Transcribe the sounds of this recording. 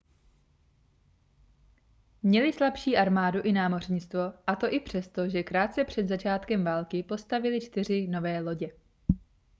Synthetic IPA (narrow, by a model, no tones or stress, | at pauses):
mɲɛlɪslapʃiːʔaɾmaːduʔɪnaːmo̞r̝ɲɪt͡st̪vo̞ʔat̪o̞ʔɪpr̝̥ɛst̪o̞ʒɛkɾaːt̪̚t͡sɛpr̝̥ɛd̪zat͡ʃaːt̪kɛmvaːlkɪpo̞st̪avɪlɪt͡ʃt̪ɪr̝ɪno̞vɛːlo̞ɟɛ